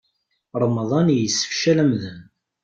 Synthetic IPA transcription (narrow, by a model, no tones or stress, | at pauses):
ɾˤmðˤɑnjəsːə̥fʃælæmðən